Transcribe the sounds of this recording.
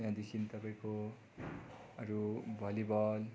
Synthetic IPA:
jãd̪ekʰint̪ʌpaĩko | ʌɾubʱʌlibʌl

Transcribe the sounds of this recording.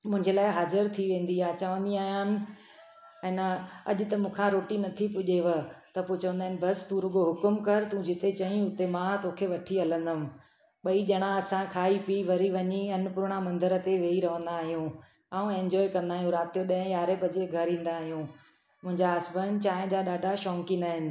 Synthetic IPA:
mʊ̃ɦɪ̃ɲd͡ʑelaːɪɦaːzəɾt̪ʰiʋẽːn̆d̪iaːt͡ɕɐʋə̃nd̪iaːɦijaːnɪ̆ | ɛ̃ːnɐ̰ʄʊ̆t̪ɐmũːkʰãɾoːʈinɐt̪ʰipʊʄeʋət̪ɐpot͡ɕɐʋənd̪aːɪnɪ̆bɐst̪ũɾʊɡoɦʊkʊmkɐɾt̪ũd͡ʑɪt̪et͡ɕɐĩʊt̪emãt̪oːkʰeʋɐʈʰiɦɐlə̃nd̪əmɪ̃̆ | ɓɐiʄɐɽ̃ãɐsãkʰaːipiʋɐɾiʋɐɲiɐnpʊɾɽ̃amɐ̃nd̪əɾə̆t̪eʋeːiɾɐʋ̤ə̃n̆d̪aːɦijũ | aːũẽɲd͡ʑɔːekɐ̃nd̪aːɦijũɾaːt̪ijoɗɐ̃ɦə̃jaːɾepɐd͡ʑeɡʱɐɾɦĩːn̆d̪aːɦijũː | mʊ̃ɦɪ̃ɲd͡ʑaɐsbənt͡ɕaːɪ̃d͡ʑaɗaːɖʱaʃɔːŋkinaːɦɪnɪ̆

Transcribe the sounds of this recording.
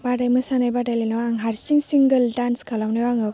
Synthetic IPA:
badajmɯsanajbadajlenawaːŋɦaɾsiŋsiŋɡəldanskʰalawnɯjwaŋɯw

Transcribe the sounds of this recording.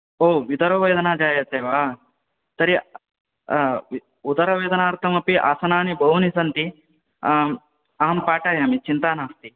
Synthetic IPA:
oːʋid̪ɐɾɐʋɐjːd̪ɐnaːd͡ʒaːjɐt̪eːʋaː | t̪ɐɾi | ud̪ɐɾɐʋeːd̪ɐnaːɾt̪ʰɐmɐpiʔa̰ːsɐnaːnibɐɦunisɐnt̪i | ɐɦɐmpaːʈaːjaːmit͡ʃint̪aːnaːst̪i

